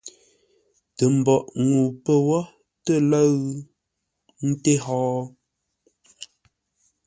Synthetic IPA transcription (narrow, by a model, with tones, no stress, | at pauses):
tə˨m̩˨bɔ˨ʔŋu˨pə˦wɔ˦ | tə˦˨lə˦ɣ | n̩˦te˦ɦɔː˦